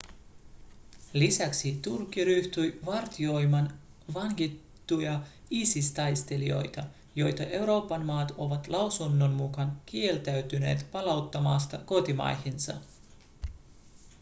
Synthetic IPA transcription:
lisæksit̪urkːˑiɾyht̪yjʋɑrt̪io̞jmɑn | ʋɑŋkit̪ːujɑ | iːsist̪ɑjst̪e̞lio̞̰jt̪ɑ | jo̞jt̪ɑʔe̞wɾo̞ːpːɑnmɑːt̪o̞ʋɑt̪lɑwsunːo̞nmukɑnk̟ie̞lt̪æɥt̪yne̞̰ːt̪pɑlɑwt̪ːɑmɑːst̪ɑko̞t̪imɑ̰jhinsɑ̰

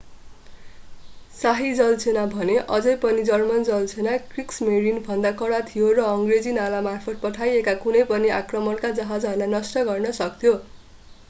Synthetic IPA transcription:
saɦid͡zʌlt͡sʰenabʱʌneʔʌd͡zʌjpʌnid͡zʌrmʌnd͡zʌlt͡sʰenakriksmeɾinbʱʌnd̪akʌɽat̪ʰijorʌʌŋɡred͡zinalamarpʰʌt̪̚pʌʈʰajekakunʌjpʌniakrʌmʌnkad͡zʌɦad͡zɦʌrlajnʌsʈʌɡʌrnʌsʌk̚t̪ʰjo

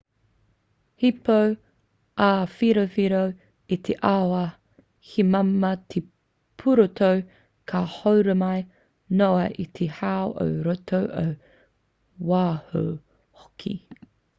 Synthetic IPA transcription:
hipow | ʔafiɾofiɾow | it̪ʰeʔawɐ | hʰimɐmɐt̪ʰe | pʰuɾotʰow | kʰahowɾəmɐj | noɐʔit̪ʰehawʔo̰wɾot̪ʰowʔo̰w | waːho̰w | hokʰḭ

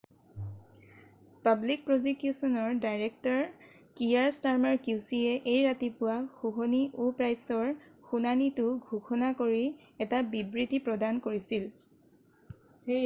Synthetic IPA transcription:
pablik̚pɹɔzikjusɔnɔɹdajɹɛk̚tɔɹ | kijaɹstaɹmɔɹkjusiɛʔejɹatipʊwaxuxɔniʔupɹajsɔɹxunanitʊɡʱuxɔnakoɹi | ɛtabibɹitipɹɔdankoɹisil | xe

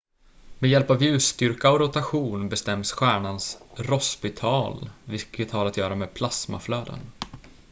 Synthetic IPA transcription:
med̪jɛlpavjʉ̟ːst̪ʏɾkaɔɾʊt̪aɧuːnbɛst̪ɛmsɧæːɳansɾɔspɪt̪ʰɑːlvɪlkət̪haɾat̪jœːɾameːd̪pʰlasma̰fløːd̪ə̰n

